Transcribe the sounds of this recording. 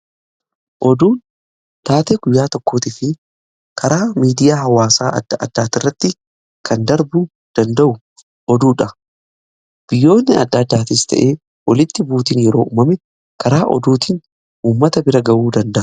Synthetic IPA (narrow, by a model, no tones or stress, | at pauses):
ʔɔd̪uːn | t̪aːt̪eːɡʊjːaːt̪ɔkːo̞ːt̪ɪfɪ | kʰɐɾaːmiːd̪ɪjaːɦɐwaːsaːʔɐ̰d̪ːɐʔɐ̰d̪ːaːt̪ɪrːɐt̪ːɪ | kʰɐnd̪ɐɾbu | d̪̥ɐnd̪ɐʔʊ | ɔd̪uːᶑɐ | b̥ɪjːo̞ːnːɪɐ̰d̪ːɐːd̪ːaːt̪ɪst̪ʰɐ̰ʔe̞ː | wɐlɪt̪ːɪbuːt̪iːnjɛɾo̞ːʔṵːmɐmɛ | kʰɐɾaːʔɔ̰d̪uːt̪ɪn | uːmːɐt̪ɐbɪɾɐɡɐwuːd̪ɐnd̪ɐʔɐ